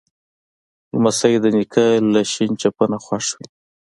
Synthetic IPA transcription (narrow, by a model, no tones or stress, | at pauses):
lmasajed̪ənikʰalaʃint͡ʃapənaxwaʂwi